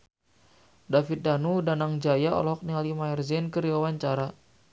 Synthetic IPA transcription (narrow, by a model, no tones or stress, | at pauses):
dafit̪̚danudanaŋd͡ʒajaɔ̰lɔɦɔk̚nialimajɔrzɛnkəɾiwawaɲt͡ʃaɾa